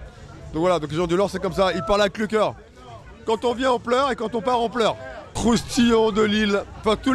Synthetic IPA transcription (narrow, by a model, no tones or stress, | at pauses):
d̪ɔ̃kvwalad̪ɔ̃k̬leʒɑ̃d̪ynɔʁsɛkɔmsailpaʁlaklyk̬ʲœʁ | kɑ̃t̪ɔ̃vjɛ̃ɑ̃plœʁekɑ̃t̪ɔ̃paʁɑ̃plœʁkχust̪ijɔ̃d̪əlilfɛ̃t̪u